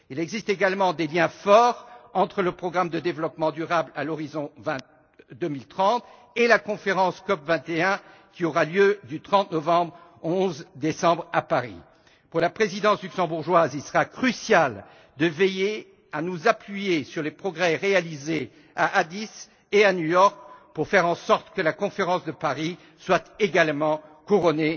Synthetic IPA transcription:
ilɛɡzist̪eɡalmɑ̃d̪eljɛ̃fɔʁɑ̃t̪χələpχɔɡʁamd̪əd̪evlɔpmɑ̃d̪yʁablalɔʁizɔ̃vɛ̃t̪ | d̪ømilt̪χɑ̃t̪ | elakɔ̃feʁɑ̃skɔpvɛ̃t̪eɛ̃ | kʲiɔʁaljød̪yt̪χɑ̃t̪nɔvɑ̃bʁoɔ̃zd̪esɑ̃bʁapaʁḭ | puʁlapχezid̪ɑ̃slyksɑ̃buʁʒwazilsəʁakχysjal | d̪əveje | anuzaplɥijesyʁlepχɔɡʁɛʁealize | aʔad̪is | eanyjɔʁk̚puʁfɛʁɑ̃sɔʁt̪kəlakɔ̃feʁɑ̃sd̪əpaʁi | swat̪eɡalmɑ̃kuʁɔne

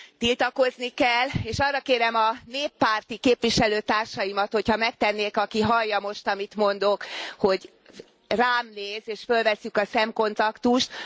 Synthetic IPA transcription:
t̪ilt̪ɒko̞znikɛlːeːʃɒrːɒkeːɾɛmɒneːpːaːrt̪ikeːpʋiʃɛløːt̪aːrʃɒjimɒt̪ho̞chɒmɛk̚t̪ɛnːeːkɒkiɦɒlːɒmo̞ʃt̪ɒmit̪mo̞nd̪o̞kho̞ɟ | raːmneːzeːʃfølvɛsːykɒsɛmko̞nt̪ɒkt̪uʃt̪

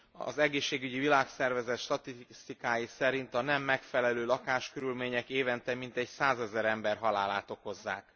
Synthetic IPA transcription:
ɒ̰zɛɡeːʃːeːɡyɟivilaːksɛrvɛzɛt̪ʃt̪ɒt̪ist̪ikaːjisɛɾint̪ɒnɛmːɛkfɛlɛløːlɒkaːʃkøɾylmeːɲɛkeːvɛnt̪ɛmint̪ɛɟsaːzɛzɛɾɛmbɛrɦɒlaːlaːt̪o̞ko̞zːa̰ːk

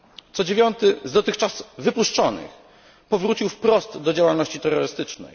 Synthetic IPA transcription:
t̪sɔd͡ʑevʲjɔnt̪ɘzd̪ɔt̪ɘxt͡ʂasvɘpuʂt͡ʂɔnɘ̰x | pɔvɾut͡ɕiwfpɾɔst̪d̪ɔd͡ʑawalnɔɕt͡ɕit̪ɛrːɔɾɘst̪ɘt͡ʂnɛ̰j

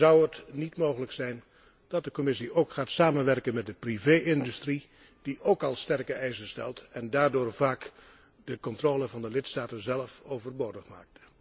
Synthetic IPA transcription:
zʌwətnitmoːɣələksɛjn | d̥ɑt̚dəkɔmɪsiowkχaːtsaːmənʋɛrkənmɛt̚dəpriveːɪndystri | d̥iʔoːkɑlˠstɛrkəɛjzənstɛ̰lˠtɛndaːɹdʊːɹv̥aːk | dəkɔntroːləvɑndəlɪtstaːtənzɛlˠfowvərboːdəχma̰ːk̚tə

